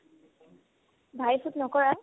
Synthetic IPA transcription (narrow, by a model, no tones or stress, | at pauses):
bʱajsutnɔkɔɹa